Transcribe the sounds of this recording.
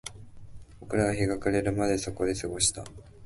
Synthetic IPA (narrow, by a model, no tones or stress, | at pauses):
o̞kɯ̟ɾaɡaɦeɡakaɾe̞ɾɯ̟mad̪e̞so̞ko̞d̪e̞sɨɡo̞ɕi̥t̪a̰